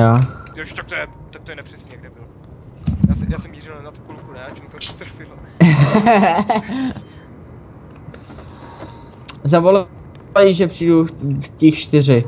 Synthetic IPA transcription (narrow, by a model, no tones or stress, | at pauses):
aːjoʃt̪ak̚t̪ojɛ | t̪akt̪ojɛnɛpr̥ɛsɲɛɡdɛbɪl | jasɛjaːsɛmːiːrɪlnanat̪ukulkunɛat͡ʃt̪ɾfɪl | zavol | ɛjʒɛpr̝̥ijdufcixʃt̪ɪrɪ